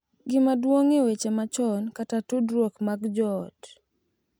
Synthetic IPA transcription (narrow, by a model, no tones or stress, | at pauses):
ɡɪmadwoŋewet͡ʃemat͡ʃɔnkatatudɾwokmaɡd͡ʒɔt